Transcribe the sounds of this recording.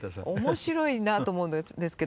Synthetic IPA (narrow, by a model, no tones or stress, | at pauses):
o̞mo̞ɕiɾo̞inat̪oːmo̞ɯnod̪e̞sɨ̥ke̞